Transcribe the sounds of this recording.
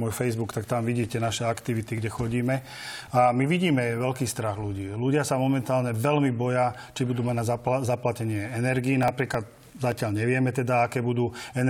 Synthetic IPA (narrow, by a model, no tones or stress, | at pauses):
ʊɔjfɛjzbukt̪akt̪amʋiɟiːcɛnaʃɛakt̪iʋit̪iɡɟɛxɔɟiːmɛ | amiʋiɟiːmɛʋɛlkiːst̪ɾaɣluɟiːluɟɪasamɔmɛnt̪aːlɲɛʋɛlmibɔja | t͡ʃibud̪uːmaɟnaazaplacɛɲɪɛɛnɛɾɡiːnapɾiːklad̪̚ | zacɪaʎɲɛʋɪɛmɛt̪ɛd̪aakɛːbud̪uːɛn